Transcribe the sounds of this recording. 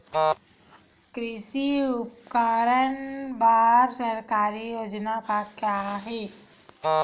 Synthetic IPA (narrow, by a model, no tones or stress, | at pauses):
kɾɪʃiʊpkaːɾənbaːɾsəɾkaːɾijoːd͡ʒnakakjaɦɛː